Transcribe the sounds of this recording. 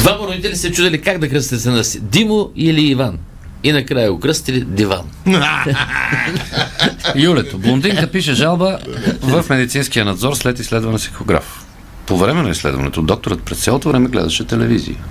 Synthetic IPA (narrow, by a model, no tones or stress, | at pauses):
d̪vamɐɾod̪it̪ɛlisɛt͡ʃud̪ɐlikaɡd̪ɐkɾəst̪ɛsɛnəsid̪imoiliːvan | inɐkɾajɐɡokɾɤst̪ilid̪iva̰n | julɛt̪oblˠonbd̪iŋkəpiʃɛʒalˠbəvəfmɛd̪it̪sinskijənɐd̪zɔɾslɛt̪islɛd̪vɐnəsi̥xxoɡɾa̰f | povɾɛmɛnɐislɛ̰d̪vɐ̰nɛ̰t̪od̪ɔk̚t̪oɾət̪̚pɾɛst̪sʲalˠot̪ovɾɛmɛɡlɛ̰d̪ɐʃɛt̪ɛlɛvizḭjə̰